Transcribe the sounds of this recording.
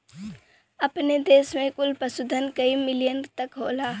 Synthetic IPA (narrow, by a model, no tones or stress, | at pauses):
ɐpned̪eːsmẽkʊlpəsʊd̪ʱənkəimɪlijənt̪ɐkɦoːlaː